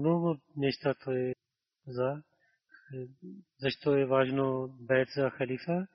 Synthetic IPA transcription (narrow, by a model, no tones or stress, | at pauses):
noːɡʊnɛʃt̪at̪ʰoɛ | zɐ | zɐʃt̪oɛʋaːʒnobɛːt̪zɐxɐliːfa